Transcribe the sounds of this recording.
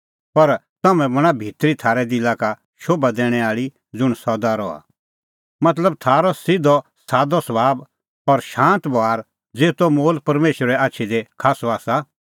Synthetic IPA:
pɐɾt̪ɐmɛ̃bɐɽ̃abʱɪt̪ɾit̪ʰaːɾɛd̪ilaka | ʃoːbad̪ɛːɽ̃ɛaːɭi | d͡zʊɽ̃sɔd̪aɾɔ̰ːa̰ | mɐt̪ləb̚t̪ʰaːɾɔsɪd̪ɔsaːd̪ɔsɐbaːb | ɔɾʃãːnt̪bɔaːɾ | d͡zeːt̪omoːlpɐɾmeːʃəɾɛaːtːʃʰid̪ekʰaːsɔaːsa

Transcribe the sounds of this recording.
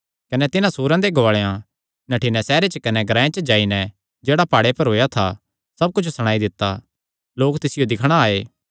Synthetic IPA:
kɐnɛt̪ɪnãsuːɾãd̪eɡoaːɭeã | nɐʈʰɪnɛsɛːɾet͡ʃəkɐnɛɡʱɾãːẽt͡ʃəd͡ʒaːinɛ | d͡ʒeːɽapaːɽepɐɾɦoːjat̪ʰa | sɐb̚kʊt͡ʃʰsɐɽ̃aːid̪ɪt̪ːa | loːkt̪ɪsɪjod̪ɪkʰɽ̃aaːeː

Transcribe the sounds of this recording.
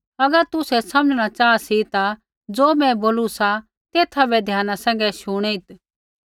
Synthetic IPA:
ɐɡəɾt̪ʊsɛsɐ̃məd͡ʒɽ̃at͡ʃaːsit̪a | d͡zoːmɛ̃boːlusa | t̪eːt̪ʰabɛd̪ʱjaːnasɛ̃ːŋ̆ɡɛʃʊɽ̃ɛɪt̪

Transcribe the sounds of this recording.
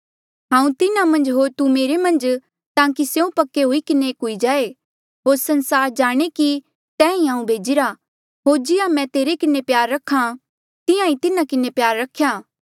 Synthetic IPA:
ɦãːũt̪ɪnamɐ̃nd͡ʒɦoːɾt̪umeːɾemɐ̃nd͡ʒ | t̪ãːkisjeũpɐkːeɦuikɪnekɦuid͡ʒaːe | ɦoːɾsɐ̃nsaːɾd͡ʒaːɽ̃eki | t̪ɛ̃ːĩɦãːũbʱeːd͡ʒɪɾa | ɦoːɾd͡ʒɪjãmɛ̃t̪eːɾekɪnepjaːɾːɐkʰã | t̪ɪjãĩt̪ɪnãkɪnepjaːɾːɐkʰːjaː

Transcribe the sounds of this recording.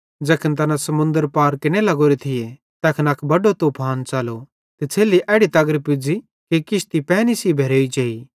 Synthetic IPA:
d͡ʒɛːkʰənt̪̬ɐnasɐmʊ̃nd̪əɾpaːɾkɪnelɐɡoɾet̪ʰɪje | t̪ɛːkʰənɐkʰbɐɖot̪oːpʰaːnt͡ʃaːlo | t̪et͡sʰeːliʔɛːɽit̪ɐɡəɾpʊd͡zi | kikɪʃt̪ipɛːnisibʱeːɾoːit͡ʃɐːɦi

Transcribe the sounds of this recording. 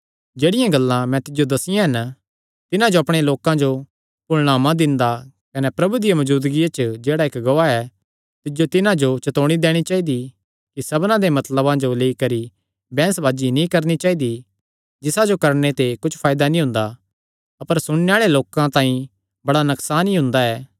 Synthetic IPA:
d͡ʒeːɽɪjãɡɐlːãmɛ̃t̪ɪd͡ʒjod̪ɐsɪjãɦɛn | t̪ɪnãd͡ʒoɐpɽ̃eloːkãd͡ʒo | pʊlɽ̃aːmãd̪ɪ̃nd̪a | kɐnɛpɾɐbud̪ijaʋɐd͡ʒuːd̪ɡijat͡ʃəd͡ʒeːɽaekɡɐʋaɛ | t̪ɪd͡ʒot̪ɪnãd͡ʒot͡ʃɐt̪oːɽ̃id̪eːɽ̃it͡ʃaːid̪i | kisɐbnãd̪emɐt̪ləbãd͡ʒoleːikɐɾi | bɛ̃ːsbʱaːd͡ʒinĩkɐɾnit͡ʃaːid̪i | d͡ʒɪsad͡ʒokɐɾɳ̃et̪ekʊt͡ʃʰpʰaːjd̪anĩɦʊ̃ːnd̪a | ɐpəɾsʊɽ̃neaːɭeloːkãt̪ãːĩ | bɐɽanɐksaːnĩɦʊ̃nd̪aɛː

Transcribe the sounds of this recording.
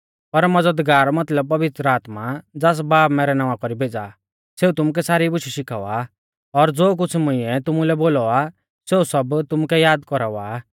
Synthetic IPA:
pɐɾmɐd͡zəd̪ɡaːɾɔmɐt̪ləb̚pɐʋɪt̪ɾaːt̪mad͡zaːs̬baːpmɛːɾɛnaʋãkɔɾibʱeːd͡za̰ | seːut̪ʊmuk̬ɛsaːɾibʊʃiʃɪkʰa̰a | ɔɾd͡zoːk̬ʊt͡sʰmʊ̃ɪ̃ɛt̪ʊmulɛboːlɔa | seːusɐbt̪ʊmukɛjaːd̪kɔɾaʋa

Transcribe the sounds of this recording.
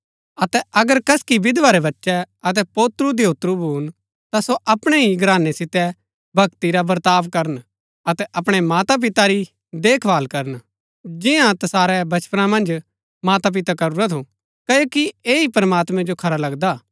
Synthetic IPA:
ɐt̪ɛʔɐɡəɾkɐskibɪd̪ʋaɾɛbɐtːʃɛɐt̪̬ɛpoːt̪ɾusd̪eʊt̪ɾubʱuːn | t̪asoʔɐpɽ̃ɛɦiɡɾaːnːɛsɪt̪ɛ | bʱɐkt̪iɾabɐɾt̪aːʋkɐɾən | ɐt̪ɛʔɐpɽ̃ɛmaːt̪ap̬ɪt̪aɾi | d̪eːkʰʋaːlkɐɾən | d͡ʒɪjãt̪ɐsaːɾɛbɐt͡ʃpənãmɐ̃nd͡ʒ | maːt̪ap̬ɪt̪akɐɾuɾat̪ʰũ | kɐjoːkieːipɐɾmaːt̪mɛ̃d͡ʒokʰɐɾalɐɡd̪aː

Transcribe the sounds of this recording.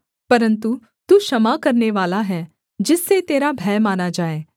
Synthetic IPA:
pɐɾə̃nt̪u | t̪uːʃɐmakɐɾneʋaːlaɦɛː | d͡ʒɪsːet̪eːɾabʱɛːjmaːnad͡ʒaːeː

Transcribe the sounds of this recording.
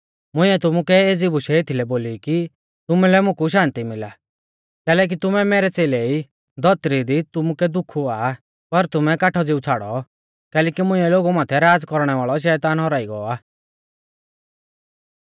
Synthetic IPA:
mʊ̃ɪ̃ɛt̪ʊmukɛeːd͡zibʊʃɛet̪ʰilɛboːliki | t̪ʊmulɛmʊ̃kuʃ̬ãːnt̪imɪla | kɛːlɛːk̬it̪ʊmɛmɛɾɛt͡seːlɛi | d̪ʱɔt̪ɾid̪it̪ʊmukɛd̪ʊkʰːuaː | pɐɾt̪ʊmɛkaʈʰɔd͡zɪut͡sʰaːɽɔ̰ | kɛːlɛːkimʊ̃ɪ̃ɛloːɡumãːt̪ʰɛɾaːd͡zkɔɾɽ̃ɛʋaːɭɔʃ̬ɛːt̪aːnɦɔɾaːiɡɔɔaː

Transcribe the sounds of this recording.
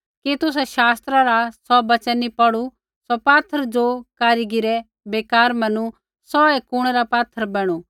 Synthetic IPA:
kit̪ʊs̬ɛʃaːst̪ɾaɾasɔbɐt͡ʃɛnːipɐɽu | sɔpaːt̪ʰːəɾd͡ʒokaːɾiɡiɾɛ | beːkaːɾmɐnu | sɔɛkʊɽ̃ɛɾapaːt̪ʰːəɾbɛːɽ̃u

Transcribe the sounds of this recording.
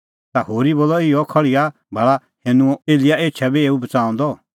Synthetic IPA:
t̪aɦoːɾiboːlɔɪjɔkʰɐɭɪja | bʱɐɭa | hẽːnũɔeːlɪjaeːtːt͡ʃʰʃʰabʱieːubɐt͡sãːɔ̃nd̪ɔ

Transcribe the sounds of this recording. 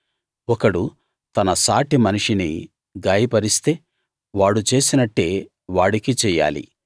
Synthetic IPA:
ɔkɐɽu | t̪ɐnɐsaːʈimɐniʂinḭ | ɡaːjɐpɐɾist̪e̞ː | ʋaːɽut͡ʃe̞ːsinɐʈːe̞ː | ʋaːɽikit͡ʃɛːjːa̰ːlḭ

